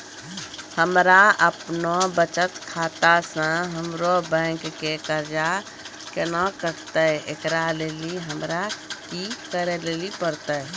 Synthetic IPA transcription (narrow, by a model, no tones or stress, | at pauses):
həmɾaəpnobət͡ʃət̪kʰaːt̪asə̃ɦəmɾobɛ̃ːŋkːekəɾd͡ʒa | kenəkəɾt̪əḛkɾaleːliɦəmɾakikəɾeleːlipəɾt̪ə